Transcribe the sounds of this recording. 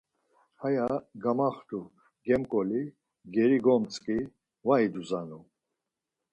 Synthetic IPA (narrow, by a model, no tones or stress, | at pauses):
hajaɡamaχt̪u | ɡɛmkʼɔli | ɡɛɾiɡɔmt͡sʼkʼi | vaid̪uzanu